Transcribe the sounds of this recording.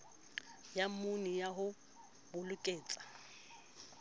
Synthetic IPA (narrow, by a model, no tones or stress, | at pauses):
jamʊnijaɦʊ | bʊlʊkʼeːt͡sʼḁ